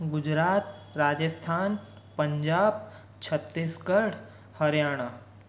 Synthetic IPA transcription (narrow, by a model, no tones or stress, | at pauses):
ɡʊd͡ʒɾaːt̪ɾaːd͡ʒəst̪ʰaːn | pə̃ɲd͡ʒaːb̚ | t͡ʃʰət̪ːiːskəɾɽ | hɐɾjaːɽ̃aː